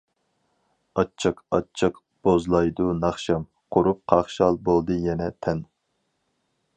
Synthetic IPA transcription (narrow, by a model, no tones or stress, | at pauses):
ɑt͡ʃʰːɨqɑ̰t͡ʃʰːɨq | b̥ozlˠɑjd̪unɑχʃɑm | qʰʊɾup̚qʰɑχʃɑlˠbolˠd̪ɨjɛnɛt̪ʰɛn